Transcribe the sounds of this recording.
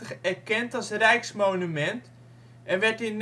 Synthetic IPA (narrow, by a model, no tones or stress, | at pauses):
əχɛɹkɛntɔlˠsrɛjksmoːnymɛnt | ʔɛnʋɛtin